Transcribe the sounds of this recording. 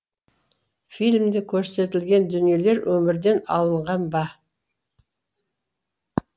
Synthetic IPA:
fijlmd̪ekʲʰɵɾse̞t̪ɪlɡʲe̞nd̪ʏnije̞le̞ɾwʔɵmɪɾd̪e̞nɑ̰lˠəɴʁɑnbɑ

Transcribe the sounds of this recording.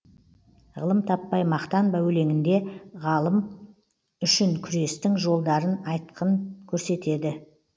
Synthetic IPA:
ʁəlˠəmt̪ʰɑpːɑjmɑqt̪ɑnbæwle̞ŋɪnd̪e̞ʁɑlˠəm | ʏʃɪŋkʲʰʏɾe̞st̪ɪŋʒo̞lˠd̪ɑɾənɑjt̪̚qʰəŋkʲʰɵɾse̞t̪e̞d̪ɪ

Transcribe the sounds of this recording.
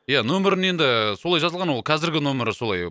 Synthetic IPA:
janɵmɪɾɪne̞nd̪ɪso̞lˠɑjʒɑzəlˠʁɑnwo̞lˠqkʰæzɪɾɡʲɪnɵmɪɾɪso̞lˠɑj

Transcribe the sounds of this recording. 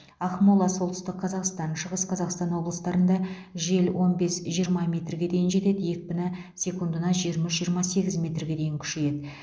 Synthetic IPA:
ɑχmolˠɑso̞lˠt̪əʏst̪ɪk̚qʰɑzɑqst̪ɑnʃəʁəsqʰɑzɑqst̪ɑnwo̞blˠəst̪ɑɾənd̪ɑ | ʒe̞lwʔo̞nbe̞sʒijəɾmɑmʲe̞t̪rɡʲe̞d̪e̞jɪnʒe̞t̪e̞d̪ɪje̞kʲɪbʲɪnɪ | sʲe̞kund̪ənɑʒijəɾmɪʃʒijəɾmɑse̞ɡʲɪzmʲe̞t̪rɡʲe̞d̪e̞jɪŋkʲʰʏ̥ʃe̞je̞d̪ɪ

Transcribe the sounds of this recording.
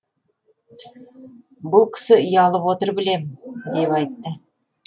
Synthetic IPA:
bʊlˠkʲʰɪ̥sɪʏjɑlˠəpwot̪əɾbɪle̞mɪd̪e̞pɑjt̪ːə

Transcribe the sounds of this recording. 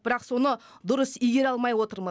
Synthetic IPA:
bɪɾɑqso̞nə | d̪ʊɾəsʏjɡʲe̞ɾɑlˠmɑjwo̞t̪əɾmə

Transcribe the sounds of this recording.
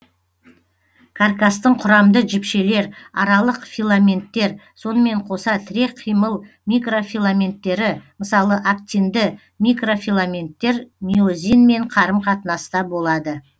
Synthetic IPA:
kʰarkast̪əɴqʰʊɾɑmd̪əʒɪpʃe̞le̞ɾɑɾɑlˠəqfilˠamʲe̞nt̪ːe̞ɾso̞nəme̞ɴqʰo̞sɑt̪ʰɪɾe̞qʰːijməlˠ | mʲijkro̞fʲilˠamʲe̞nt̪ːe̞ɾɪməsɑlˠəʔak̚t̪ʲind̪ɪ | mijkro̞fʲilˠamʲe̞nt̪ːe̞ɾmʲio̞zʲijnme̞ɴqʰɑɾəmqʰɑt̪ənɑst̪ɑbo̞lˠɑd̪ə

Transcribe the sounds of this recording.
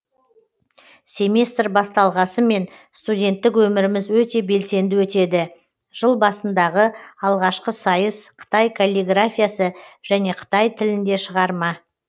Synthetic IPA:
sʲe̞mʲest̪rbɑst̪ɑlˠʁɑsəme̞n | st̪udʲe̞nt̪ːɪkwɵmɪɾɪmɪzwɵt̪e̞be̞lse̞nd̪ɪwɵt̪e̞d̪ɪ | ʒ̥əlˠbɑsənd̪ɑʁəɑlˠʁɑʃqəsɑjəsqʰə̥t̪ɑjkʰolʲiɡrafʲijasəʒ̥æne̞qʰə̥t̪ɑjt̪ʰɪlɪnd̪e̞ʃəʁɑɾmɑ

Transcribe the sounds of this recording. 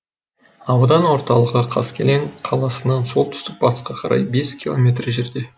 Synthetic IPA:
ɑwd̪ɑnwo̞ɾt̪ɑlˠəʁəqʰɑ̰skʲʰe̞leŋqʰɑlˠɑsənɑnso̞lˠt̪ʰʏ̥st̪ɪk̚bɑt̪ə̥sqɑqʰɑɾʔɑ̰jbe̞skʲilˠo̞̰mʲe̞t̪rʒe̞ɾd̪e̞

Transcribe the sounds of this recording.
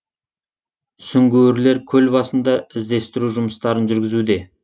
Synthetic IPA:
sʏŋɡʲewɪɾle̞ɾkʲʰɵlbɑsənd̪ɑɪzd̪e̞st̪ɪɾuʒʊməst̪ɑɾənʒʏɾɡʲɪzud̪e̞

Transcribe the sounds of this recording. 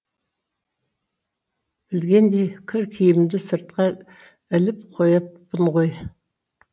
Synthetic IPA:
b̥ɪlɡʲe̞nd̪ekʲʰɪɾkʲʰijɪɪmd̪ɪsəɾt̪̚qɑ | ɪlɪp̚qʰojɑp̚bənʁoj

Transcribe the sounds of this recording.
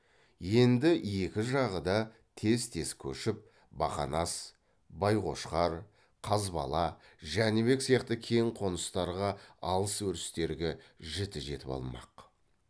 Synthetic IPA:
je̞nd̪ɪje̞kʲɪʒɑʁəd̪ɑ | t̪ʰe̞zt̪ʰe̞skʲʰɵ̰ʃɪp̚ | bɑ̰χɑ̰nɑs | bɑjqo̞ʃqɑɾ | qʰɑzbɑ̰lˠɑʒænebe̞ksijɑqt̪əkʲʰe̞jɴqʰo̞nəst̪ɑɾʁɑɑlˠəswɵɾɪst̪e̞ɾɡʲeʒɪt̪ɪʒe̞t̪ɪpɑ̰lˠmɑ̰q

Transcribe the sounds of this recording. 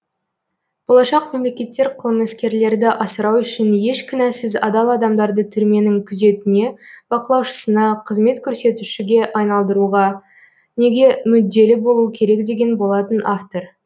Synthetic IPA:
b̥o̞lˠɑʃɑqme̞mle̞kʲe̞t̪ːe̞ɾqʰəlˠəməɪskʲe̞ɾle̞ɾd̪ɪʔɑsəɾɑwʏʃɪnje̞ʃkʲʰɪnæsɪzɑ̰d̪ɑlˠɑd̪ɑmd̪ɑɾd̪ət̪ʰʏɾme̞nɪŋkʲʰʏze̞t̪ɪne̞b̥ɑqəlˠɑwʃə̥sənɑqʰəzme̞t̪kʲʰɵɾse̞t̪ʉʃɪɡʲe̞ʔɑjnɑlˠd̪əɾuʁɑ | ne̞ɡʲe̞mʏd̪ːe̞lɪbo̞lˠuəkʲʰe̞ɾe̞k̚d̪e̞ɡʲe̞nbo̞lˠɑt̪ənaft̪o̞ɾ

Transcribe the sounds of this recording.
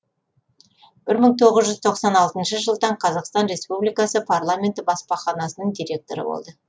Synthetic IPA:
b̥ɪɾməɴt̪ʰo̞ʁəzʒʏzt̪ʰo̞qsɑnɑlˠt̪ənʃəʒəlˠd̪ɑɴqʰɑzɑqst̪ɑnɾe̞spublijkɑsəpʰaɾlˠamʲe̞nt̪ɪbɑspɑχɑnɑsənəɴd̪ijɾʲe̞k̚t̪o̞̰ɾə̰bo̰lˠd̪ə

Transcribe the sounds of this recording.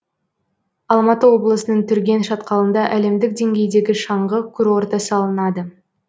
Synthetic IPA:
ɑlˠmɑt̪əwo̞blˠəsənəɴt̪ʰʏɾɡʲe̞nʃɑt̪qɑlˠənd̪ɑʔæle̞md̪ɪk̚d̪e̞ŋɡʲe̞jd̪e̞ɡʲɪʃɑɴʁəkʲʰʏɾwo̞ɾt̪ɑsəɑlˠənɑd̪ə

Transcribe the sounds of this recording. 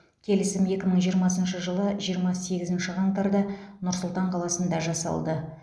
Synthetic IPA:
kʲʰe̞lɪsɪme̞kʲɪməɴʒijəɾmɑsənʃəʒəlˠəʒijəɾmɑse̞ɡʲɪzɪnʃɪʁɑŋt̪ɑɾd̪ɑnʊɾsʊlˠt̪ɑɴqʰɑlˠɑsənd̪ɑʒɑsɑ̰lˠd̪ə

